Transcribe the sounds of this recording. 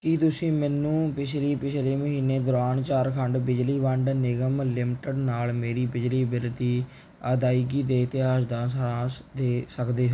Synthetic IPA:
kiːt̪ʊsĩːmɛːnũːpɪt͡ʃʰliːpɪt͡ʃʰleːməɦiːneːd̪ʊɾaːnt͡ʃaːɾkʰəɳɖbɪd͡ʒliːʋəɳɖnɪɡəmlɪmʈəɖnaːlmeːɾiːbɪd͡ʒliːbɪld̪iː | əːd̪aːiɡiːd̪eːt̪ɪaːʃd̪ãːsəɾãːsd̪eːsəkd̪eːɦoː

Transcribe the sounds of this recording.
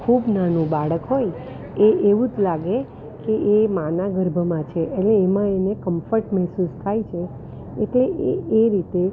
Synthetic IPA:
kʰubnanũbaɭəkɦoj | eʔeʋũd͡ʒlaɡe | keʔemanaɡəɾbʱəmãt͡ʃʰeʔeleːmãenekəmfəɾʈmɛɦsust̪ʰajt͡ʃʰe | eʈleʔḛeɾit̪e

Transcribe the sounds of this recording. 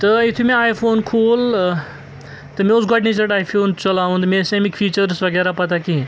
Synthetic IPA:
t̪ɐɪt̪ʰumẽaːjfʰoːnkʰoːl | t̪ɐmẽʊsɡɔʈnĩt͡ʃɐʈaːjfʰoːnt͡ʃɐlaːʋũd̪mẽːsẽmikfʰiːt͡ʃəɾsʋɐɡɛːɾapɐt̪aki

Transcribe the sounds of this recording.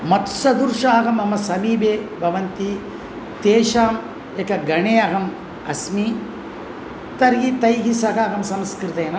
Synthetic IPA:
mɐt̪sɐd̪uɾʂaːɣɐmɐmɐsɐmiːbeːbʱɐʋɐnt̪i | t̪eːʃaːm | ekɐɡɐɳeːɐɣɐm | ɐsmi | t̪ɐɾɡit̪ɐjɦisɐkɐːɣɐmsɐmskɾɪt̪ɐjɐnɐ

